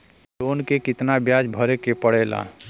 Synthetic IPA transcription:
lonkekɪt̪nabjad͡ʒbʱəɾekepəɽ̤ɛla̰

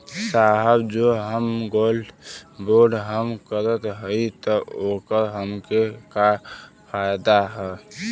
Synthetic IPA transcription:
saɦəbd͡ʒoɦəmɡolboɾɖɦəmkəɾət̪ɦəjt̪ɔokəɾɦəmkeka | pʰajd̪aɦɛ

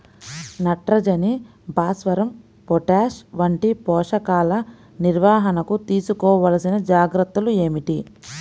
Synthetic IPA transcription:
nɐʈɾɐd͡ʒɐni | bʱaːsʋɐɾɐm | pɔʈaːʂʋɐɳʈipɔːʂɐkaːlɐ | niɾʋaːɦɐnɐkut̪iːsukɔːʋɐlɐsinɐd͡ʒaːɡɾɐt̪ːulue̞ːmiʈi

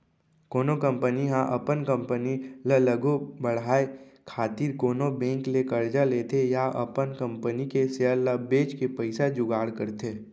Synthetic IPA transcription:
koːnokə̃mpəniɦãʔɐpənkə̃mpənilələɡobəɽaːekʰaːt̪iːɾkoːnobɛ̃ːŋklekəɾd͡ʒaleːt̪ʰejaʔɐpənkə̃mpənikeseələbeːt͡ʃkepəɪsad͡ʒʊɡaːɽkəɾt̪ʰeː

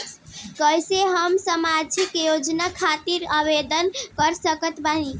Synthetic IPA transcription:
kəjseɦəmsəmad͡ʒʱikjod͡ʒnakʰat̪iɾəbed̪ənkəɾsəkət̪bani

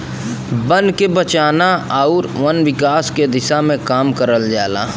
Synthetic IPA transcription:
bə̃nd̪kebət͡ʃaːnaaʊɾʋɐnʋɪkaːsked̪ɪsamẽkaːmkəɾəld͡ʒaːla̰ː

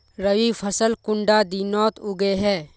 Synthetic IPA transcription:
ɾəʋipʰɐsəlkʊ̃ɳɖad̪iːnɔːt̪ʊɡeɦɛː

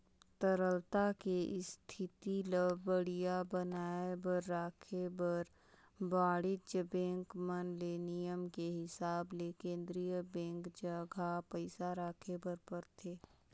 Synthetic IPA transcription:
t̪əɾəlt̪akeɪst̪ʰɪt̪iləbbəɽijabənaːebəɾːaːkʰebəɾ | baːɽɪt͡ʃbɛ̃ːŋkmənlenijəmkeɦɪsaːblekẽːnd̪ɾijəbɛ̃ːŋkd͡ʒəɡʱapəɪsaɾaːkʰebəɾpəɾt̪ʰeː

